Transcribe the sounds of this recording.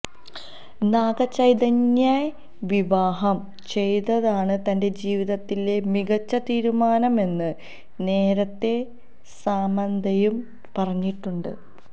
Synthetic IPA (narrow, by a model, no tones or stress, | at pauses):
naːɡɐt͡ɕːɐjd̪ɐɲjɐ | ʋiʋaːɦɐm | t͡ɕe̞jt̪ːɐðaːɳɨt̪ɐnde̞d͡ʑiːʋiðɐt̪ːile̞miɡɐt͡ɕːɐt̪iːɾumaːnɐme̞nːɨ | ne̞ːɾɐt̪ːe̞ | saːmɐnd̪ʱɐjum | pɐrɐɲːiʈːuɳɖɨ̰